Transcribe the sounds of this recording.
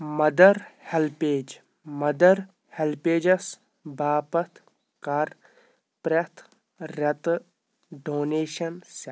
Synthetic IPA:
mɐd̪ɐɾhelpeːd͡ʒ | mɐd̪ɐɾ | helpeːd͡ʒɐs | baːpɐt̪ʰ | kɐɾ | pɾɐt̪ʰ | ɾɐt̪ | ɖoːneːʃɐnsɐ

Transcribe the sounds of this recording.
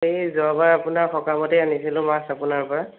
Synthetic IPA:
ejzɔabaɹapʊnaɹxɔkamɔteanisilʊ̃masapʊnaɹpɔɹa

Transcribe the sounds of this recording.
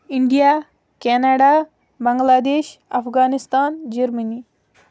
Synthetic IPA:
iɳɖija | kaːnaɖa | bɐŋɡlaːd̪eːʃɐfɡaːnist̪aːnd͡ʒeɾməni

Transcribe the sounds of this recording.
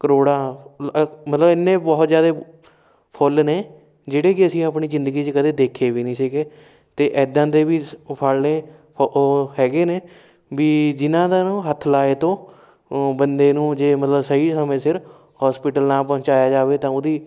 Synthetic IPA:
kəɾoːɽãː | mət̪ləbɪnːẽːbɔːt̪zjaːd̪eː | pʰʊlneː | d͡ʒeːɽeːkɪəsĩːaːp̬ɳiːzɪ̃nd̪əɡiːt͡ʃəkəd̪eːd̪eːkʰeːʋiːnĩːsɪkeː | t̪eːʔɛːd̪ãːd̪eːʋiːpʰalneː | ɦɛːɡeːneː | ʋiːd͡ʒɪnãːd̪aːnũːɦət̪ʰːlaːeːt̪õː | bənd̪eːnũːd͡ʒeːmət̪ləbsəiːsəmẽːsɪɾ | hɔːspɪʈəlnãːpɔ̃ːt͡ʃaːjaːd͡ʒaːʋeːt̪ãːoːd̪iː

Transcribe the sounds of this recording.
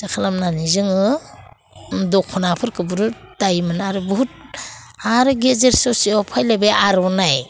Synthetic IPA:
sakʰalamnanizɯŋɯ | dɔkʰɔnapʰɯɾkɯbuɾu | tajmɯnaɾɯbuɦut̚ | aɾɯɡezeɾsɔsiɔpʰajlabeaɾɔnaj

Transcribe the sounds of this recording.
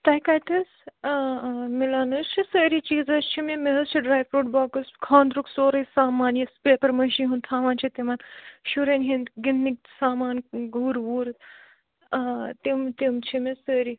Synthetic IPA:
t̪ajkajt̪əs | milanɨst͡ʃʰisəːɾit͡ʃiːzɐst͡ʃʰimemeɦɐst͡ʃʰiɖɾaːjʋɾuːʈbaːkəskʰãːnd̪ɾuksoːɾɐjsaːmaːnjispepɐɾməʃĩɦũnt̪ʰaːʋãːnt͡ʃʰit̪imaːnʃuɾenɦĩnd̪ɡinːik̚ | saːmaːnɡʱuːɾʋuːɾ | t̪imt̪imt͡ʃʰimesəɾi

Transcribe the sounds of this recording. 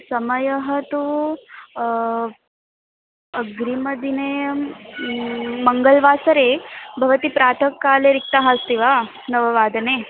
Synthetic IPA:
sɐmɐjɐɦɐt̪u | ɐɡɾimɐd̪ine | mɐŋɡɐlʋaːsɐɾeːbʱɐʋɐt̪ipɾaːt̪ʰɐkːaːleɾik̚t̪aɦaːst̪iʋaː | nɐʋɐʋaːd̪ʱɐneː

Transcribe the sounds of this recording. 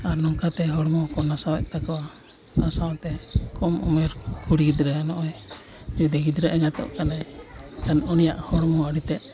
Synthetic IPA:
aɾnɔŋkat̪ɛɦɔɽmɔkɔnasawɛ̰ʔ̚ˀt̪akɔwa | nasawt̪ɛkɔmɔmɛɾkuɽɡid̪ɾɛanɔʔɔj | d͡ʒud̪ɛɡid̪ɾaʔɛŋat̪ɔ̰ʔkanakanunija̰ʔhɔɽmɔaɽit̪ɛʔ̪̚

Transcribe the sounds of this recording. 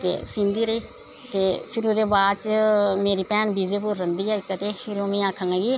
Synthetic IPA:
t̪ḛːsĩːnd̪iːɾəiː | t̪eːpʰɪɾʊd̪eːbaːd̪t͡ʃəmeːɾiːpɛːnbiːzeːpʊɾːənd̪iːɛːkːət̪eːpʰɪɾoːmĩːaːkʰːãŋɡaːɡiː

